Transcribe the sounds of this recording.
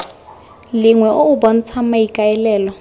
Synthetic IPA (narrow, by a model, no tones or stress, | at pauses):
liŋwɛʔoubɔn̩t͡sʰamaikʼaɛlɛːlɔ